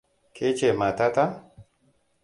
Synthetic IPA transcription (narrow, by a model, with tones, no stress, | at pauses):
kʰe˦t͡ʃe˨ma˨t̪a˦t̪a˦